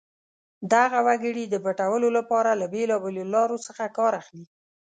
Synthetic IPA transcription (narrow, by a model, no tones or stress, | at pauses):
d̪aɣawaɡəɽid̪əbaʈawəlolapɑɾalabelɑbelolɑɾosəxakɑɾaxli